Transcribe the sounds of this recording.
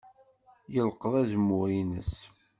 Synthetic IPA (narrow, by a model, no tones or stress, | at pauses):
jəlqəðˤæzəmʊɾinəs